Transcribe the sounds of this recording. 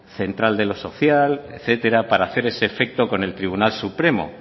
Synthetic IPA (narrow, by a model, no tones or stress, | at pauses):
θe̞nt̪ɾald̪e̞lo̞so̞θjaleθe̞t̪e̞ɾapaɾaːθe̞ɾe̞seːfe̞k̚t̪o̞ko̞ne̞lt̪ɾiβ̞unalsupɾe̞mo̰